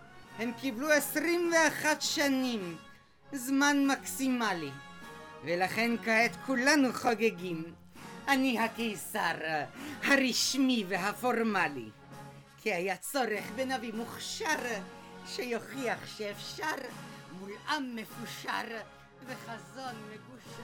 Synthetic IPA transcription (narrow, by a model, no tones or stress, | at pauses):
he̞mkibluesʁimve̞aχat̪ʃanim | zmanmaksimali | velaχe̞nkaet̪kʰulanuχoɡeɡim | ʔanihake̞jsaʁhaʁiʃmiveɦafo̞ʁmalḭ | kʰiajat͡so̞ʁeχbenavimuχʃaʁ | ʃejo̞χiaχʃeːfʃaʁmulʔamːe̞fuʃa̰ʁ | veχazo̞nmeɡuʃa